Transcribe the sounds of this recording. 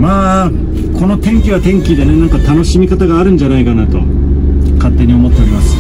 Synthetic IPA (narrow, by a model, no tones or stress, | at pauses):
maː | kʰo̞no̞t̪ẽ̞ŋkʲiβat̪ẽ̞ŋkʲid̪e̞ne̞nãŋkat̪ano̞ɕimʲikat̪aɡaːɾɯ̟̃n̟d͡ʑanaikanat̪o̞̰ | kat̪ːe̞ɲ̟io̞mo̞t̪ːe̞oɾimasɨ̥